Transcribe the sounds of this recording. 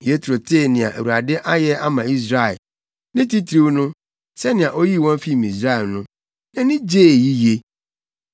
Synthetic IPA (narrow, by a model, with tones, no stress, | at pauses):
je˦tʰɾo˨tʰeː˦˨nɪ̃˨a̰˨ʔḛ˨wu˨a˨dɪ˦ʔa˦jɛ˦a˦mã˨i˦s̬ɾa˦ɛ˨l | nɪ̃˦ti˦tʰɾi˦wnʊ̃˦ | sɛ˦nɪ̃˨ã˨ʔo˦ji˦˨wɔ̃˦m˦fi˦˨mĩ˨s̬ɾa˦ɛ˨lnʊ̃˦ | nɪ̃˦nɪ̃˦d͡ʑeː˦˨ji˦je˦